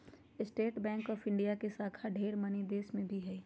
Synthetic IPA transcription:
ɪsʈeːʈbɛ̃ːŋkɔːfɪ̃ɳɖijakesaːkʰaɖʱeːɾmɐnid̪eːsmẽbʱiɦɛː

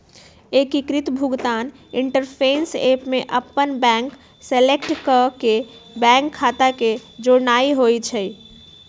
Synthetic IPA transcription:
ekikɾit̪bʱuɡt̪an | iɳʈəɾpʰensepmeʔəpːənbɛ̃ŋk | selekʈkəkebɛ̃ŋkʰːat̪aked͡ʒoɾnaiɦojt͡ʃʰəj

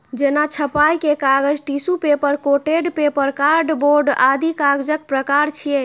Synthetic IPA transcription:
d͡ʒenat͡ʃʰəpajkekaɡəd͡ʒʈisupepəɾkoʈeɖpepəɾkaɾɖboɾɖad̪ʱikaɡd͡ʒək̚pɾəkaɾt͡ʃʰije

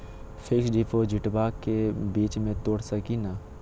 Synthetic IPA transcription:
fʰɪksɖipʰod͡ʒʱɪʈbaːkːebiːt͡ʃmẽt̪oːɽsɐkina

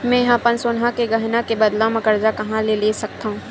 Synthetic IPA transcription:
mɛ̃jɐɦãpɐnsoːnɦãkeɡɐɦɪnakebɐd̪lãmɐkəɾd͡ʒakɐɦãlelesɐk̚t̪aɦũː

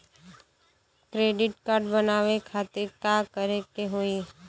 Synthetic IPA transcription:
kɾeːɖɪʈkaːɾɖbənaːʋekʰaːt̪ɪɾkaːkəɾekeɦoi

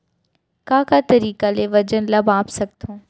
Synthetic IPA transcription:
kãːkat̪ɐɾiːkaleʋɐd͡ʑənlɐbʱaːpsɐɡ̚t̪ʰõː

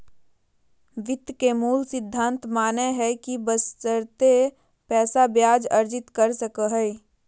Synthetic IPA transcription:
ʋɪt̪kemuːlsɪd̪ʱːãːnt̪maːneɦɛkibəstəɾt̪e | pɛːsabjaːd͡ʒɐɾd͡ʒɪt̪kəɾsəkəɦɛi

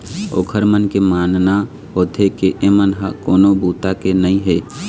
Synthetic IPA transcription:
o̰ːkʰəɾmənkemaːnna | ɦoːt̪ʰekeʔemənɦakoːnobuːt̪akenəĩɦeː

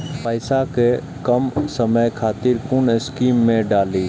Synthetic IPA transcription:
pəɪsake | kəmsəməjkʰaːt̪ɪɾkʊnɪskiːmːẽɖaːliː

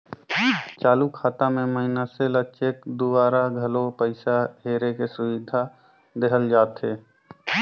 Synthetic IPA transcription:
t͡ʃaːlukʰaːt̪amẽməɦɪnaselət͡ʃek̚d̪ubaːɾaɡʱəlopəɪsaɦeːɾekesʊwɪd̪ʱa | d̪eɦəld͡ʒaːt̪ɦeː

